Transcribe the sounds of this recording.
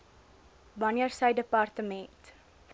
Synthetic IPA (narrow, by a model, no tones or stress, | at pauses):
bɐniərsɐjdəpɑrtəmɛnt